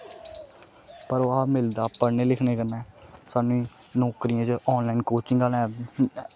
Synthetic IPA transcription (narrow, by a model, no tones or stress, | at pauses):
pəɾoaːmɪld̪aːpəɽneːlɪkʰneːkənːɛːsaːnũiː | nɔːkɾijãːt͡ʃɔːnlaːinkoːt͡ʃɪŋɡaːlɛː